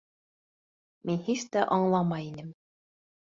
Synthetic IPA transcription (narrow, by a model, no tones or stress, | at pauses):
minhiʃt̪æʔɑɴlˠɑmɑjinɘm